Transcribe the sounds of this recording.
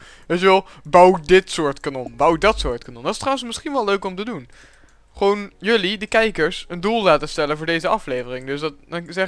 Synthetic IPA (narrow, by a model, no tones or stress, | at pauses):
ʋejtjəʋɛlˠbɑwdɪtsʊːɹtkanɔnbawdɑtsʊːɹtkanɔndɑtɪ̥strawənsmɪsχinʋɛlˠløɥkɔmtədun | χəʋownjɵlidəkɛjkəɹsəndulˠlaːtəstɛlənvʊːɹdejzəʔɑflejvərɪŋdɵsdɑtzɛ